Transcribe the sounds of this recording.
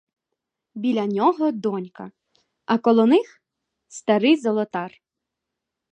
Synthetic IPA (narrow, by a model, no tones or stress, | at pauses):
bʲilʲɐnʲɔɦɔd̪ɔnʲkɐ̰ | ɐkɔlˠɔnɪx | st̪ɐɾɪjzɔlˠɔt̪ɑr